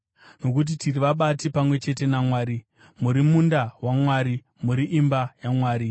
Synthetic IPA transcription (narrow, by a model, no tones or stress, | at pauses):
no̞kut̬itiriʋaɓatipamwe̞t͡ʃe̞te̞namwaːɾi | muɾimundawamwaːɾi | muɾiʔimbajamwaːɾi